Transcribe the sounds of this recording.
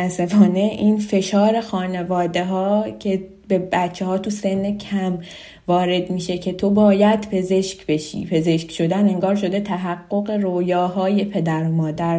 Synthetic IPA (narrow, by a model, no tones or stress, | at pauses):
æsefɒːne̞ʔinfe̞ʃɒːɾe̞xɒːne̞vɒːd̪e̞ɦɒːcʰe̞ | be̞bæt͡ʃʰːe̞hɒːt̪ʰuse̞nːecʰæm | vɒːɾe̞d̪miːʃe̞cʰe̞t̪ʰo̞bɒːjæd̪pʰe̞ze̞ʃcbe̞ʃḭːpʰe̞ze̞ʃcʃo̞d̪æne̞ŋɡɒːɾʃo̞d̪e̞t̪ʰæɦæɡːo̞ɣe̞ɾojɒːɦɒːje̞pʰe̞d̪æɾomɒːd̪æɾ